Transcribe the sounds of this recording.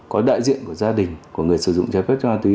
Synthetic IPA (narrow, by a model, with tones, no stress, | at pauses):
kɔ˨˦ɗa̰ː˧˨jzḭ˧˨ənku˧˩əzaː˧ɗï˨˩ŋ̟ku˧˩əŋɨ˨˩əjsɨ˧˩zʊ̰˧˨ŋ͡mt͡ɕaː˧fɛ˦˥t̚t͡ɕɔ˧haː˧t̪wi˨˦